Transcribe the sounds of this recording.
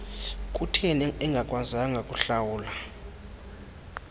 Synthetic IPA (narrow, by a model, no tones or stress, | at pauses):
kʼutʰɛnɛŋɡʱakʼwazaŋɡʱakʼuɬawuːla